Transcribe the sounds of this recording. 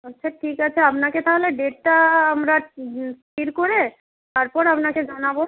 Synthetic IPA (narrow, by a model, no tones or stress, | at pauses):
ɔtːɕʰaʈʰikat͡ɕʰeapnaket̪ʰaɦoleɖeʈːaamɾaskiɾkoɾe | t̪aɾpɔɾapnaked͡ʑanabo